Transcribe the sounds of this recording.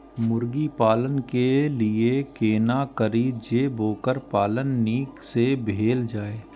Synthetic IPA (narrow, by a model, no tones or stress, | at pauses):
mʊɾɡipaːlənkeliekeːnakəɾid͡ʒeːboːkəɾpaːlənːiːksebʱeːld͡ʒaːeː